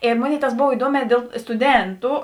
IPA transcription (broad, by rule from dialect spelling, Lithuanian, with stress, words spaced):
ɪ ˈmoːˌnʲeːɪ tɐs ˈboːw ɪˈduɔmʲɛː ˈdʲeːlˠ stʊˈdʲeːntʊ